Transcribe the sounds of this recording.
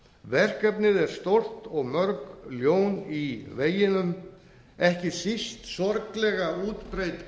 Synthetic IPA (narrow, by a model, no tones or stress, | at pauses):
vɛr̥kœpnɪðɛɾ̥st̪owl̥t̪ɔɣmœɾkljowniveːjɪnʏm | ɛhcɪsist̪sɔɾklɛɣauːt̪pɾejt̪